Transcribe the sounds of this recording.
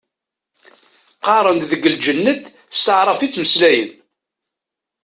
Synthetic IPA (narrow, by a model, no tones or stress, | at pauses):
qɑɾˤənt̪ðəɡəld͡ʒənːəθ | st̪əʕɾˤəvθit͡sːməslæjə̰n